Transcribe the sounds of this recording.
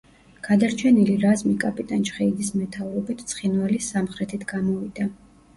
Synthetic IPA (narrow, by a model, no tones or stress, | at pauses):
ɡ̥ad̪aɾt͡ʃʰɛniliɾazmikʼapʼit̪ʼant͡ʃχɛid̪ismɛt̪ʰauɾɔbit̪ʰt̪sʰχinvalisamχɾɛt̪ʰit̪ʰɡ̥amɔvid̪a